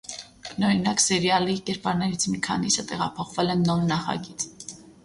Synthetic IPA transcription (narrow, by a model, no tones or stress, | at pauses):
nɔɾinɑksɛɾjɑlikɛɾpɑɾnɛɾit͡sʰmikʰɑ̰nisət̪ɛʁɑpʰɔχvɛlɛnːɔnːɑχɑ̰ɡit͡sʰʼ